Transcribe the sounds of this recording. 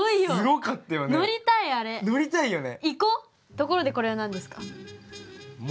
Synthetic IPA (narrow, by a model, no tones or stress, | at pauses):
oijoɯɾokat̪ːejono̞ɾʲit̪aiaɾe̞no̞ɾʲit̪aijo̞ne̞iko | t̪o̞koɾo̞d̪e̞ko̞ɾe̞βanãnd̪e̞sɨ̥ka | m